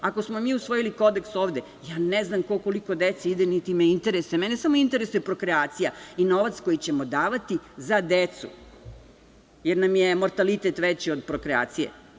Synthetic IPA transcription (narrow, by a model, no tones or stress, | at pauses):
ako̞smo̞miːusʋo̞jiliko̞d̪ekso̞ːʋd̪e̞ | jaːneznamko̞ko̞liko̞d̪et̪seid̪enit̪imeint̪eɾesemɛnesamo̞int̪eɾesujepɾo̞kɾeaːt̪sijaino̞ʋat̪sko̞jit͡ɕe̞mo̞d̪aːʋat̪izad̪et̪sṵ | jeɾnamje̞mo̞ɾt̪alit̪et̪ʋet͡ɕiod̪pɾo̞kɾea̰ːt̪sije̞̰